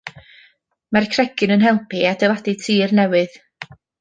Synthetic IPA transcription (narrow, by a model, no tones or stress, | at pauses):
markʰrɛɡɨnənɦɛlˠpʰiadɛvaditʰiːrnɛwɨð